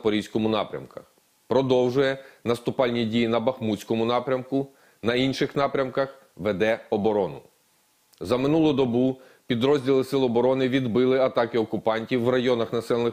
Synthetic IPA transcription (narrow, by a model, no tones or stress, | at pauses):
pɔɾʲisʲkɔmʊnɑ̰pɾʲɐ̰mkɐx | pɾɔd̪ɔwʒʊjɛnɐst̪ʊpɑlʲnʲidʲijinɐbɐxmut͡sʲkɔmʊnɑpɾʲɐmkʊ | nɐinʃɪxnɑpɾʲɐmkɐx | ʋɛd̪ɛɔbɔɾɔnʊ | zɐmɪnulˠʊd̪ɔbu | pʲid̪ɾɔzʲdʲilˠɪsɪlˠɔbɔɾɔnɪʋʲid̪bɪlˠɪɐt̪ɑkɪɔkʊpɑnʲtʲiwːrɐjɔnɐxnɐsɛlˠnɪ